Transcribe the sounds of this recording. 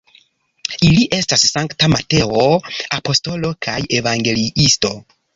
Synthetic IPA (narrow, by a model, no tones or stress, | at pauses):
iliʔe̞stasːaŋktamate̞oapo̞sto̞lo̞kʰaje̞vaŋɡe̞liisto̞